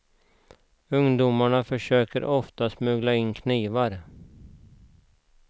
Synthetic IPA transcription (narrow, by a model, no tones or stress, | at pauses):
ɵŋd̪umaɳafœʂøːkəɾʔɔft̪asmʉ̟ːɡlaɪnkʰniːvaɾ